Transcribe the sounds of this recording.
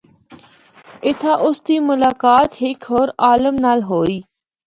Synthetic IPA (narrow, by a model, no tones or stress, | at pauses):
ɪt̪ʰaʔʊst̪iːmʊlaːkaːt̪ɦɪkʰɦoːɾaːləmnaːlɦoːiː